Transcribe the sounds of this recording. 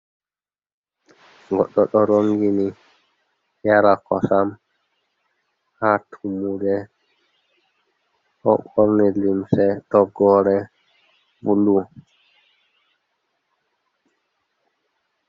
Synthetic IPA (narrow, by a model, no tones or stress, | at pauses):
ŋɡɔɗːɔɗɔɾoŋɡini | jaɾakɔsam | hatʰumudɛ | hɔ̰ɓɔɾnɛlimsɛtɔɡɔɾɛ | vulu